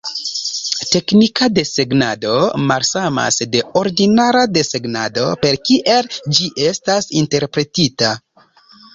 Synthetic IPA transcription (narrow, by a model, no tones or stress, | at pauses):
te̞knikade̞se̞ɡnado̞malsama̰sde̞o̞ɾdinaɾade̞se̞ɡnado̞pe̞ɾkiʔe̞ld͡ʒiʔe̞stasinte̞ɾpɾe̞tita